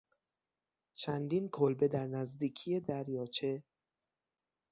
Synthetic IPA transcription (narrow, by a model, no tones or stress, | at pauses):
t͡ʃʰænd̪iːnkʰolbe̞d̪æɾnæzd̪iːkʰije̞d̪æɾjɒːt͡ʃʰe